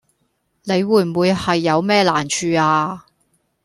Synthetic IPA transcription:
ne˨˧jwuː˨˩jm̩˨wuː˨˧jhɐ˨jːɐ˨˧wmɛː˥la̰ː˨˩nt͡ʃʰyː˧aː˧

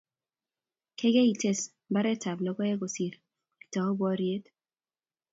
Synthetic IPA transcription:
kʰe˦ɡe˦i˨te˦˨s | ba˦ɾɛ˦ta˨blɔ˨˦ɡɔ˦ɛ˦ɡo˨si˨ɾ | i˨tɔ˨ɔ˦bwɔ˦ɾje˦t

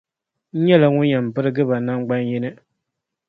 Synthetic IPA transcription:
ɲɛ˦la˨ŋʊ˦ɲɛ˨m̩˨bɨ˦ɾɨ˦ɡɨ˦ba˨na˦ŋ͡mɡ͡ba˦njɪ˦nɨ˦

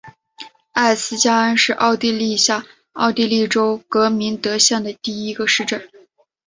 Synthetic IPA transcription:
a˥˩ɪsɹ̩˥t͡ɕja˥ə˥nʂɻ̩˥˧ʔɑ˥˧ʊt̪i˥˧li˥˧ɕja˥˩ | ɑ˥˧ʊt̪i˥˧li˥˩ʈ͡ʂo˥ʊkɤ˧˥mi˧˥nt̪ɤ˧˥ɕjɑ˥˩d̪ə˩t̪i˥˩i˧˥ɡə˧ʂɻ̩˥˧ʈ͡ʂə˥˩n

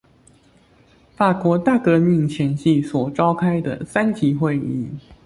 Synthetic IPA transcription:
fa˨˩kwɔ˧˥t̪a˥˩kɤ˧˥mi˥˩ŋt͡ɕʰjɛ˧˥nɕi˥˩swɔ˨˩ʈ͡ʂɑ˥ʊkʰa˥ɪd̪ə̰˨sa˥nt͡ɕi˧˥xwe˥˧ɪi˥˩

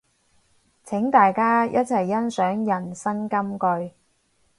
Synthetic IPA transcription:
t͡sʰɪ˨˥ŋt̪aː˨jkaː˥jʔɐ˥t̚t͡sʰɐ˨˩jːɐ˥nsœː˨˥ŋjɐ˨˩nsɐ˥nkɐ˥mkɵ˧ɥ

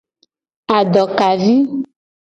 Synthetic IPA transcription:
a˨ɖɔ˨ka˨vi˦

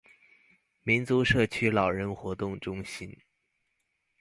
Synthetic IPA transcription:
mi˧˥nt͡su˧˥ʂɤ˥˩t͡ɕʰy˥lɑ˨˩ʊɻə˧˥nxwɔ˧˥t̪ʊ˥˩ŋʈ͡ʂʊ˥ŋɕi˥n

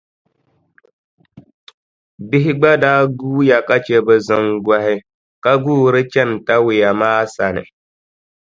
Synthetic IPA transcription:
bɪ˦ɦɪ˦ɡ͡ba˦daː˦ɡuː˦ja˨ka˦t͡ʃe˦bɛ˨zɨ˦ŋɡa˦hɪ˦ | ka˦ɡuː˦˨ɾɨ˦t͡ʃɛ˦˨n˨ta˦wɪ˨ja˨maː˦sa˨nɨ̰˨

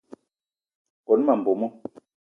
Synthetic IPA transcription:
kɔ˨n˦ma˨m̩˨bo˨mɔ˦

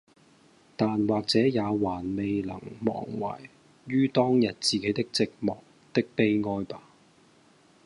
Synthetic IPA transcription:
t̪aː˨nwaː˨k̚t͡sɛː˨˥jaː˨˧waː˨˩nme˨jlɐ̰˨˩ŋmɔ̰ː˨˩ŋwa̰ː˨˩j | ɥyː˥t̪ɔː˥ŋjɐ˨t̚t͡siː˨ke˨˥jt̪ɪ˥k̚t͡sɪ˨k̚mɔː˨˩k̚t̪ɪ˥k̚pe˥jŋɔː˥jpaː˥

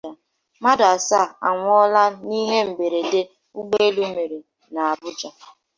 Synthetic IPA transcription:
a˨ | ma˦da˨sa˦˨a̰˨ŋʷ˦ɔ˦la˦ni˦ɦe˦m̩˨be˨ɾe˨de˦ | u˦ɡ͡be˦e˦lu˦me˨ɾe˨ | na˨a˨bʊ˦t͡ʃa˨

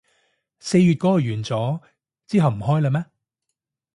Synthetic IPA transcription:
se˧jɥyː˨t̚kɔː˥˨ɥyː˨˩nt͡sɔː˨˥ | t͡siː˥ɦɐ˨wm̩˨˩ɦɔː˥jlaː˧mɛː˥

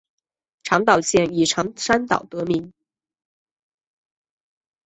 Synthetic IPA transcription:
ʈ͡ʂʰɑ˧˥ŋt̪ɑ˨˩ʊɕjɛ˥˩ni˨˩ʈ͡ʂʰɑ˧˥ŋʂa˥nt̪ɑ̰˨˩ʊt̪ɤ˧˥mi˧˥n

